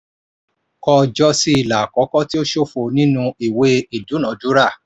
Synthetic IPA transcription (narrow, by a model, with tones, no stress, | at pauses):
kɔ˧d͡ʒɔ˦si˦i˨la˨kɔ˨˦kɔ˦ti˦o˦ʃo˦˨fo˨nĩ˦nũ˧i˨we˧˦i˨du˨˦nã˨˦du˨˦ɾa˦˨